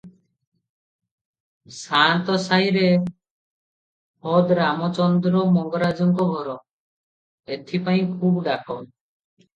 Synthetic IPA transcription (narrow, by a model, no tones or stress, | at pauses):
sant̪ɔsajɾe | hɔd̪ɾamɔt͡ʃɔnd̪ɾɔmɔŋɡɔɾad͡ʒɔŋkɔɡʱɔɾɔ | et̪ʰipaĩkʰubɖakʰɔ